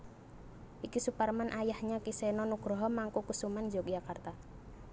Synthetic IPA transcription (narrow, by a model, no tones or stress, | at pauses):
ʔikisuparmanʔajahɲakisɛnɔnuɡ̥ɾɔɦɔmaŋkukusumand͡ʒɔk̚d͡ʒakart̪a